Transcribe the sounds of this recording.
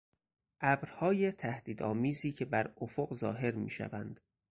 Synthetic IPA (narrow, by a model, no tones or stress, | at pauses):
ʔæbɾhɒːjet̪ʰæhd̪̥iːd̪ɒ̰ːmiːziːcʰe̞bæɾofoɢzɒ̰ːɦe̞ɾmḭːʃæ̰væ̰nd̪̥